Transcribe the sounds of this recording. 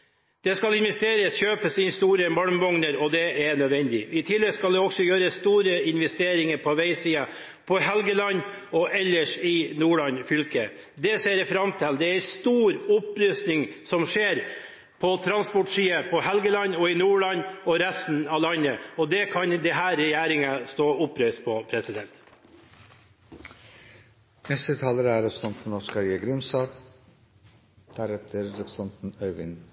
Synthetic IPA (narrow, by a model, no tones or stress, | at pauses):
d̪̥ɛskɑlɪnʋɛst̪eːɾəsçøːpəsɪnst̪uːɾəmɑɳmʋɔŋnəɾɔd̪ɛʔɛnœd̪ʋɛnd̪ɪ̰ɪt̪ʰɪlːɛɡskɑld̪ɛɔksɔjøːɾəst̪uːɾəɪnʋɛst̪eːɾɪŋəɾpʰɔʋæɪsiːɑ | pʰɔɦɛlɡəlɑnː | ɔʔɛlːəʂɪnuːɭɑnfʏlkə̰ | d̪ɛseːɾfɾɑmt̪ʰɛld̪ɛæst̪uːɾʊpɾʏst̪nɪŋsɔmʂeːɾ | pʰɔt̪ʰɾɑnspɔʈʂiːəpʰɔhɛlɡəlɑɲɔɪnuːɭɑɲɔɾɛst̪n̩ɑlɑnəɔd̪ɛkʰɑɲd̪ɛɦæːɾɛjæːɾɪŋəst̪oːʊpɾœʏst̪̚pʰɔpʰɾɛsɪd̪ɛnt̪ | mɛst̪ət̪ʰɑːləɾəæːɾɛpʰɾsɑnt̪n̩nɔʂkɑɾjeːɡɾɪmsɑːɡ | d̪̥æɾɛt̪ʰəɾːɛpʰɾə̥sɑnt̪n̩œʏʋɪ̰n